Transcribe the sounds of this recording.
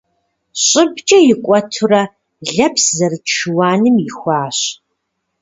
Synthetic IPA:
ɕʼɪbt͡ʃʼɐjɪkʷʼɔtʰurɐ | ɮɐpszɐrɨʈ͡ʂʰɨwaːnɨmjɪxʷaːɕ

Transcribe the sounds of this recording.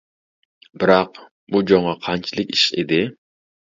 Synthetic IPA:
bɨɾɑq̚ | bud͡ʒoŋʁɑqʰɑnt͡ʃʰilˠɪkʲiʃḭd̪ɪ

